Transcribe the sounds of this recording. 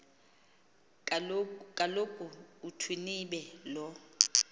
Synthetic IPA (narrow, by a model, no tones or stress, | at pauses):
kʼalokʰʼuutʰwiniɓɛlɔ